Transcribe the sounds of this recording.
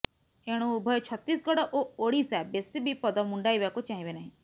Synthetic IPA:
eɽ̃ũbʱɔjɔt͡ʃʰɔt̪ːisɡɔɽɔʔooɽisabesibʱipɔd̪ɔmuɳɖajbakut͡ʃaɦĩbenaɦĩ

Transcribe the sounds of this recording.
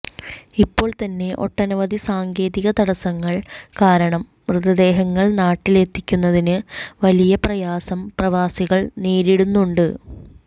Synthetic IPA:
ipːo̞ːɭt̪ɐnːe̞ʔo̞̰ʈːɐnɐʋɐd̪isaːŋɡe̞ːðiɣɐt̪ɐɽɐsɐŋːɐɭkaːɾɐɳɐm | ʋrɨðɐd̪e̞ːɦɐŋːɐɭnaːʈːile̞t̪ːikʲːunːɐðinɨʋɐlijɐprɐjaːsɐmprɐʋaːsiɣɐɭneːɾiɽunːuɳɖɨ

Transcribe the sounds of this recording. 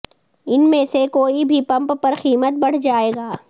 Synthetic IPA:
ɪnmẽsekoːibʱipɐ̃mppɐɾxiːmət̪̚bɐɽ̤d͡ʒaːeːɡaː

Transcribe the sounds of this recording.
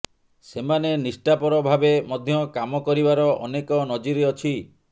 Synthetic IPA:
semanenisʈapɔɾɔbʱabemɔd̪ʱjɔkamɔkɔɾibaɾɔʔɔ̰nekɔnɔd͡ʒiɾeɔt͡ʃʰi

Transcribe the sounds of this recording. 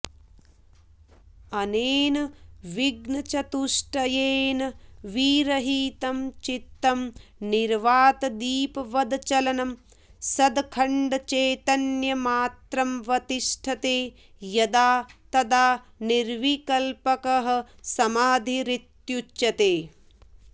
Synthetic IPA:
ɐneːnɐʋiɡnɐt͡ʃɐt̪uʂʈɐjeːnɐʋiːɾɐɦiːt̪ɐmt͡ʃit̪ːɐmniɾʋaːt̪ɐd̪iːpɐʋɐd̪t͡ʃɐlɐnɐm | sɐd̪kʰɐɳɖɐt͡ʃeːt̪ɐnjɐmaːt̪ɾɐmʋɐt̪iʃʈʰɐt̪eː | jɐd̪aːt̪ɐd̪aː | niɾʋikɐlpɐkɐɦɐ̆ | sɐmaːd̪ʱiɾit̪jut͡ʃːɐt̪eː

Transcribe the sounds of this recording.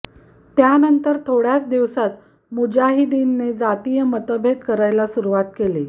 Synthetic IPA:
t̪janənt̪əɾt̪ʰoɽjat͡sd̪iʋsat̪ | mud͡ʑaɦid̪inːed͡zat̪ijəmət̪əbʱet̪kəɾajlasuɾuʋat̪̚kele

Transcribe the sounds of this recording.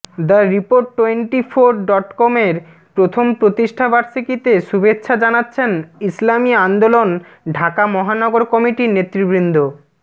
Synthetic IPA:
d̪əɾipoɾʈːoeɳʈifʰoɾɖɔʈkɔmeɾ | pɾot̪ʰompɾot̪iʃʈʰabaɾʃikit̪eʃubetːɕʰad͡ʑanatːɕʰenislamiand̪olon | ɖʱakamɔɦanɔɡoɾkɔmiʈinet̪ːɾibɾind̪ʱo

